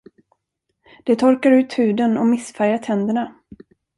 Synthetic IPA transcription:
d̪̥ɛt̪ʰɔɾkaɾʉ̟ːt̪hʉ̟ːd̪ənɔmɪsfæɾjaʈ̪ʰɛnd̪əɳa

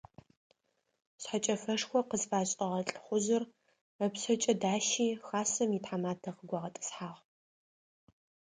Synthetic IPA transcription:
sħat͡ʃʼɐfɐʂxʷɔqəzfaːɕʼɐʁɐɬʼɨχʷʊzɨr | ɐpsɐt͡ʃʼɐdaːʃiːxaːsɐmjitħamaːtʰɐqəɡʷɐʁɐtʼɨ̥sħaːʁ

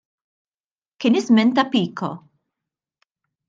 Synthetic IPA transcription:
kɪnɪzmɛnt̪ɐpiːkʰɔ̰

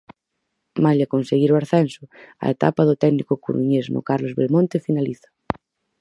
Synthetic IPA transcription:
maʎakonseɣiɾwaɾθɛnsʊa̰et̪a̰paðʊt̪ɛɣnikʊkṵɾuɲezno̰kaɾlozβḛlmõnt̪efinaliθḁ

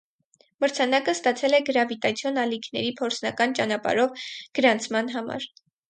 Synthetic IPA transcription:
məɾt͡sʰɑnɑkəst̪ɑt͡sʰɛlɛɡəɾɑvit̪ɑt͡sʰjɔnɑlikʰnɛɾipʰɔɾt͡sʰnɑkɑnt͡ʃɑnɑpɑ̰ɾɔvɡ̥əɾɑnt͡sʰmɑnɦɑmɑ̰ɾ

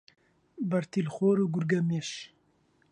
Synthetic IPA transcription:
bɐɾt̪ʰilxoːɾuːɡuɾɡɐmeʃ

